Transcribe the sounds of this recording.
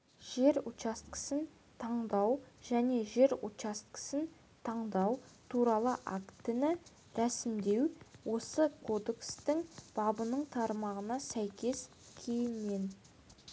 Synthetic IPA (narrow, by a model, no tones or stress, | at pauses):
ʒ̥e̞ɾut͡ʃɑst̪kə̥sən | t̪ʰɑɴd̪ɑwʒ̥æne̞ʒe̞ɾut͡ʃast̪kə̥sən | t̪ʰɑɴd̪ɑwt̪ʰuɾɑlˠəʔakt̪ɪnɪ | ɾæsɪmd̪e̞wwo̞səkʰo̞d̪e̞kst̪ɪŋb̥ɑbənəɴt̪ʰɑɾmɑʁənɑsæjkʲe̞s | kʲʰejɪnme̞n